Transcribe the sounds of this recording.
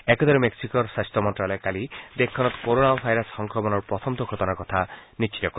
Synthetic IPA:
ɛkɔd̪ɔɾemeksikɔɾsastɔmɔnʈɾalɔkalid̪ekʰːɔnɔt̪ɔ̥koɾonabʱajɾɔshɔŋkɾɔmɔnɔɾpɾɔt̪ʰɔmt̪ɔɡʰʱɔt̪ɔnakɔt̪ʰanit͡ʃʰit̪ɔkɔ

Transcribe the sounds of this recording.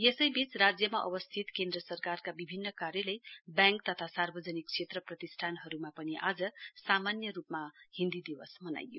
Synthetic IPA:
jesʌjbit͡srad͡zjʌmaʔʌ̰bʌst̪ʰit̪kend̪rʌsʌrkarkabibʱinːʌkarjʌlejbjaŋk̚t̪ʌt̪ʰasarbʌd͡zʌnik̚t͡sʰet̪rʌprʌt̪isʈʰanɦʌɾumapʌniʔad͡zʌsamanjʌrupmahind̪id̪ibʌsmʌna̰jjo̰

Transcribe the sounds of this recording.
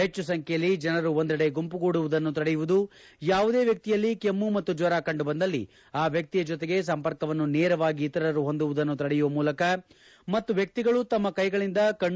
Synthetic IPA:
ɦet͡ʃːusɐŋkʰejɐlːid͡ʒɐnɐɾuond̪ɐɽe̞ɡumpuɡoːɽuʋud̪ɐnːut̪ɐɽɛjuʋud̪u | jaːʋud̪e̞ːʋjɐk̚t̪ijɐlːikemːumɐt̪ːud͡ʒʋɐɾaːkɐɳɖubɐnd̪ɐlːḭ | aːʋjɐk̚t̪ijɐd͡ʒɔt̪e̞ɡe̞s̬ɐmpɐɾkɐʋɐnːuneːɾɐʋaːɡiːt̪ɐɾɐɾuɦo̞nd̪uʋud̪ɐnːut̪ɐɽɛjuʋɐmuːlɐkɐ | mɐt̪ːuʋjɐk̚t̪iɡɐɭut̪ɐmːɐkɐjɡɐɭind̪ɐkɐɳ

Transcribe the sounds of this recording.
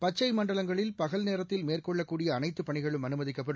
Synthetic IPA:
pɐt͡ʃːɐɪmɐɳɖɐlɐŋɡɐɭɪlpɐɣɐlneːɾɐt̪ːɪlmeːrkɔɭːɐkːuːɽɪjɐːnɐɪt̪ːɯpːɐɳɪɣɐɭɯmɐnɯmɐðɪkːɐpːɐɽɯ

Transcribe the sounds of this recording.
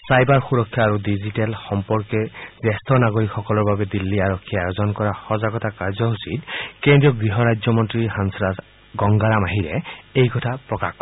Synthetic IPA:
sajbaɹxuɹɔkʰːjaːɹudizitɛlxɔmpɔɹkɛzɛstʰɔnaɡɔɹikxɔkɔlɔɹbabɛdilːiaɹɔkʰːiajozɔnkɔɹaxɔzaɡɔtakaɹzɔusitkendɹijɔɡɹiɦɔɹajd͡ʒjɔmɔntɹiɦansɹa | ɡɔŋɡalamaɦiɾɛejkɔtʰapɹɔkaxk

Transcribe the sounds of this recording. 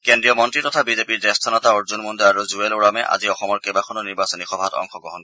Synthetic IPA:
kendɹijɔmɔntɹitɔtʰabizepiɹdɛst̪ʰanɔtaoɹzunmundɔaɹuzueluɹamɛʔa̰ziɔxɔmɔɹkejbakʰɔnɔniɹbasɔnixɔbʱatɔ̰ŋxɔɡɔɦɔn

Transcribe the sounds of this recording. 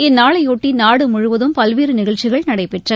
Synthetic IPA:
ɛnːaːɭɐɪoːʈːinaːɽɯmʊɻʊʋɐðɯmpɐlʋeːɾɯnɪɣɐɭt͡ʃːɪɣɐɭnɐɽɐɪpɛʈrɐ

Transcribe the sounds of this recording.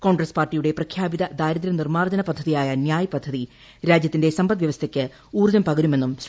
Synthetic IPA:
ko̞ːɳɡrɐspaːrʈːijuɽe̞prɐkʰjaːbiðɐd̪aːjɾɐðɾɐnirmaːrd͡ʑɐnɐpɐd̪ʱːɐðijaːjɐnjaːjɐpɐd̪ʱːɐði | ɾaːd͡ʑjɐt̪ːinde̞sɐmbɐt̪ʋjɐʋɐst̪ʰɐkʲːɨ | uːruðɐmpɐɣɐɾume̞nːums

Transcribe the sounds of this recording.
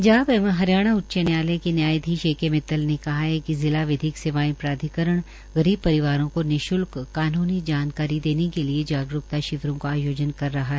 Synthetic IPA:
d͡ʒaːbɛːməɦɐɾjaːɽ̃aʊtːʃənjaːlekenjaːjd̪ʱiːʃeːkemɪt̪ːəlnekɐɦaɦɛkizɪlaʋɪd̪ʱɪkseʋaːĩpɾaːd̪ʱɪkəɾəɽ̃ | ɣɐɾiːb̚pɐɾɪʋaːɾõkonɪʃʊlkːaːnuːnid͡ʒaːnkaːɾid̪eːnekelied͡ʒaːɡɾʊkt̪aʃɪʋɾõkaaːjoːd͡ʒənkɐɾːɐɦaɦɛː

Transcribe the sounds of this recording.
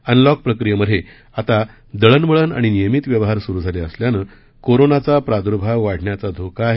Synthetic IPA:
ənlɔk̚pɾəkɾijəməd̪ʱe | at̪a | d̪əɭənʋəɭəna̰ɽ̃inijəmit̪ʋjəʋɦaɾsuɾuːd͡zʱaleəsljanəː | koɾonat͡sapɾad̪uɾbʱaɡʋaɽ̤ɳjat͡sad̪ʱokʰaːɦe

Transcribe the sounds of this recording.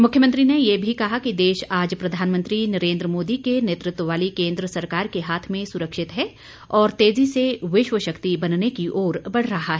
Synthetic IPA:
mʊkʰjəmə̃nt̪ɾinejebʱikɐɦakid̪eːʃaːd͡ʒpɾɐd̪ʱaːnmə̃nt̪ɾinɐɾẽːnd̪ɾəmoːd̪ikeneːt̪ɾɪt̪wəʋaːlikẽːnd̪ɾəsɐɾkaːɾkeɦaːt̪ʰmẽsʊɾəkʃɪt̪ɦɛː | ɔːɾt̪eːziseʋɪʃʋəʃɐkt̪ibɐnnekiʔoːɾbɐɽ̤ɾɐɦaɦɛ

